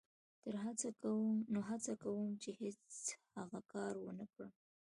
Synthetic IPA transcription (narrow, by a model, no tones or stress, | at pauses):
t̪əɾɦat͡sakawənoɦat͡sakawəmt͡ʃehet͡shaɣakɑɾwənəkɽə